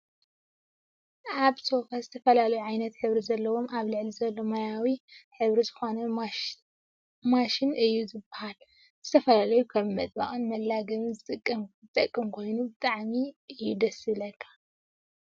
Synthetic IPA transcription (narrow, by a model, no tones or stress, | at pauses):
ʔaβsʰo̞fazɨt̪ʰɐfɐlalɐjuʕajnɐt̪ħɨβɾizɐlːɐwo̞mʔaβlɨʕlizɐlːo̞majawiħɨβɾizɨxo̞nɐ | maʃinʔɨjːuzɨbahal | z̥ɨt̪ʰɐfɐlalɐjukʰɐβmɐt̪ʼba̰ʔʼɨnmɐlːaɡɐmɨzɨt̪ʼɨkʼːɐmzɨt̪ʼɐkʼːɨmkʰo̞jnubɨt̪ʼaʕmiɨjːud̪ɐsɨlɐkʰːḁ